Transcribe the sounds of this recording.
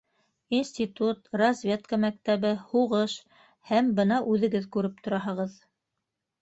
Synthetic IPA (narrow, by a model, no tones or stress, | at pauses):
insʲtʲit̪ut̪rɐzʲvʲe̞t̪̚kəmæk̚t̪æβɘhuʁɤʃ | hæmbɤnɑʔʉðɘ̆ɡɘðkʉɾɘp̚t̪ŏɾɑɦɤ̆ʁɤð